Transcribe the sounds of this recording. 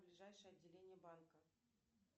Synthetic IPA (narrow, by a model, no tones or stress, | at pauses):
blʲɪʐajʂəjɐdʲːɪlʲenʲɪjəbankə